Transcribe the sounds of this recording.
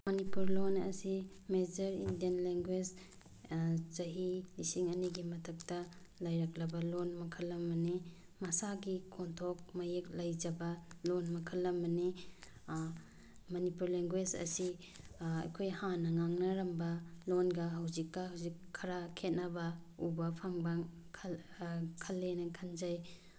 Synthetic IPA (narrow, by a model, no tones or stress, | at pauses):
mɐnipuɾlonɐ̰si | med͡ʒɐɾḭndijɐnleŋɡwed͡ʒ | zɐɦilisiŋɐniɡimɐtʰɐk̚tɐ | lɐjɾɐk̚lɐbɐlonmɐkʰɐlːɐmːɐni | mɐsaɡikʰontʰok̚mɐjeklɐjd͡ʒɐbɐlonmɐkʰɐlːɐmɐni | mɐnipuɾleŋɡwed͡ʒɐ̰si | ɐ̰jkʰojhanɐŋaŋnɐɾɐmbɐlonɡɐɦɐwzikːɐhawzikʰːɐɾakʰet̚nɐbɐubɐpʰaŋbɐ | kʰ | kʰɐlːenɐkʰɐnd͡ʒaj